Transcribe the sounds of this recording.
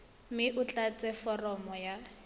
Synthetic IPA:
mɪʔʊt͡ɬat͡sʼɛfɔrɔmɔja

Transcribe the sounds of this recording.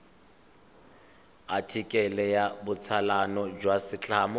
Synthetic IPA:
atʰikʼɛlɛjabʊt͡sʰalanɔd͡ʒwasɪt͡ɬʰʼaːmɔ

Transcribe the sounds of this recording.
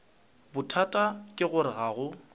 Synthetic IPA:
bʊtʰatʼakʼɪɣʊɾɪɣaːɣʊ

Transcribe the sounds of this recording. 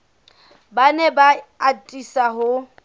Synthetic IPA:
banɛbaːtʼisaɦʊ

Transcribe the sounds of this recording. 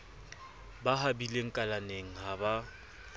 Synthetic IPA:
baɦabileŋ̩kʼalaneŋ̩ɦaba

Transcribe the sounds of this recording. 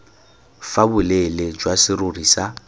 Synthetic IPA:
fabʊleled͡ʒwasɪrʊrisa

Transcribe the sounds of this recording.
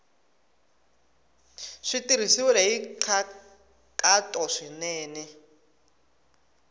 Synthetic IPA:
ʂitiɾ̤isiwulɛiǃʰa | kʼatʼɔʂinɛːnɛ

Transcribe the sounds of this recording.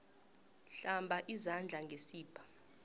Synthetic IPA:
ɬambʱaʔizand͡ɮʱaŋɡʱesiːpʰḁ

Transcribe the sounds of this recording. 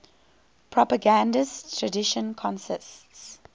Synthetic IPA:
pʰɹɔpəɡãndəstʰɹədɪʃə̃nkʰɔ̃nsɪsts

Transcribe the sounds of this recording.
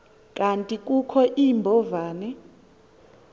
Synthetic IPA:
kʼantʼikʼukʰɔʔimbʱɔvaːnɛ

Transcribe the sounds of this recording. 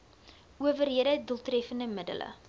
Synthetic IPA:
uəvərɦiəɾəɛduəlˠtrɛfəndəmədə̰lə̰

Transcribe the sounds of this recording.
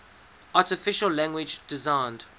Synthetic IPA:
aˑtɪfɪʃəllæ̃ŋɡwɪd͡ʒdɪzãɪ̃nd̥

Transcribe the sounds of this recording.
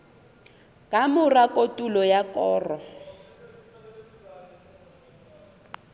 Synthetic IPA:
kʼamʊrakʼotʼulɔjakʼɔːrɔ

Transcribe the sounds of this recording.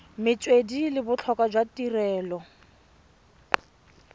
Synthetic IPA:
mɪt͡sʼwedilɪbʊt͡ɬʰɔkʼad͡ʒwatirɛːlɔ

